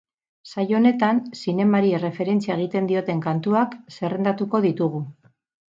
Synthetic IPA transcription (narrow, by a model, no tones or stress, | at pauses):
sajo̞ne̞t̪ansine̞maɾie̞re̞fe̞ɾe̞nt͡siaeɣ̞it̪e̞nd̪io̞t̪e̞ŋkant̪uakse̞re̞nd̪at̪uko̞ðit̪uɣ̞u